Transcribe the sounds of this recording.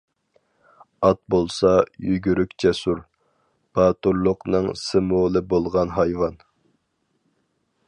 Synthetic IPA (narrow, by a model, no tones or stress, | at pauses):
ɑt̪̚bolˠsɑjyɡʲyɾykʲt͡ʃʰɛsuɾ | b̥ɑːt̪uɾlˠʊqnɨŋsɨmolˠɨbolˠʁɑnɦɑjwɑn